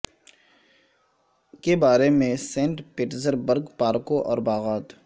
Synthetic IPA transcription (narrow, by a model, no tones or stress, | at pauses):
kebaːɾemẽsẽːɳʈpɪʈzəɾbəɾɡpaːɾkõʔɔ̰ːɾbaːɣaːt̪